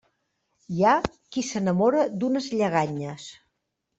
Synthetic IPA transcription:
ja | kisənəmoɾəd̪unəzʎəɣ̞aɲəs

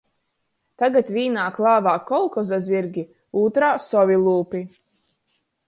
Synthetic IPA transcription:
t̪aɡat̪vʲiːnaːklˠaːvaːkɔlˠkɔzaziɾɡʲi | uːt̪ɾaːsɔvʲilˠuːpʲi

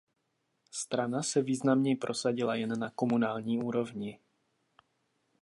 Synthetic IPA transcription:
st̪ɾanasɛviːznamɲɛjpɾʔo̞saɟɪlajɛnːako̞munaːlɲiːuːɾo̞vɲɪ

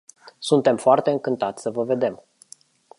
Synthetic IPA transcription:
sunt̪e̞mfoart̪e̞ɨŋkɨnt̪at̪sʲsəvəve̞d̪e̞m

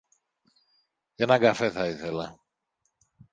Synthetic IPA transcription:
enaɡafeθaiθela

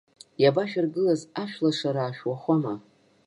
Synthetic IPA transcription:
jabaʃᶣarɡɨlazaʃᶣlaʂaɾaːʃᶣwaχʷama

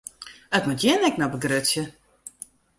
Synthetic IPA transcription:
ətmutjɛnɛk̚nɔbəɡrøsjə

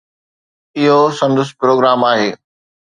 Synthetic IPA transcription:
ɪɦosɐ̃nd̪ʊspɾoːɡɾaːmaːɦeː

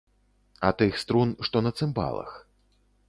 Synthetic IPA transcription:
ɐ̰t̪ɨxst̪ɾunʂt̪ɔnɐt̪sɨmba̰lˠɐ̰x

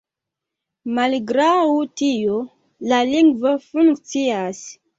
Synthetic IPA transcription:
malɡɾawutijo | laliŋɡvofuŋkt͡sias

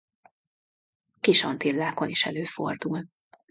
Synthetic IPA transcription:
kiʃɒnt̪ilːaːko̞niʃɛløːfo̰rd̪ul

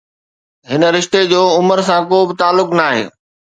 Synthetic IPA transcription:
ɦɪnəɾɪʃt̪ed͡ʑoːʊməɾsãkoːbɪt̪aːlːʊknaːɦḛː

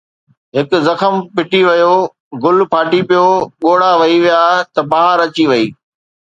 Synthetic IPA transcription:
ɦɪkʊ̆zɐxəmpɪʈiʋɐjo | ɡʊlpʰaːʈipijoɠoːɽaʋɐiʋijat̪ɐbaːɦəɾɐt͡ɕiʋɐiː

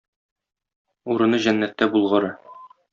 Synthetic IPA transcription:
uɾɤ̆nɤʑænːæt̪ːæbulˠʁɤ̆ɾɤ

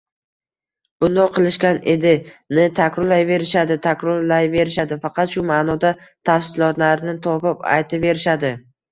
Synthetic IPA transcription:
b̥ʊnd̪ɒqʰɨlˠɪʃkʲaned̪ɪnɪt̪ʰakʲɾɒlajve̞ɾɪʃad̪ɪt̪ʰakʲɾɒlajve̞ɾɪʃad̪ɪfɑqɑt̪ʃʊmaːnɒd̪at̪ʰafsɪlˠɒt̪laɾnɪt̪ʰɒpɪpa̰jt̪ʰɪve̞ɾɪʃad̪ɪ

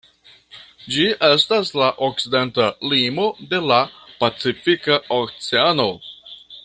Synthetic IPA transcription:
d͡ʒie̞staslaʔok̚t͡side̞ntalimo̞de̞lapat͡sifikaok̚t͡seano̞

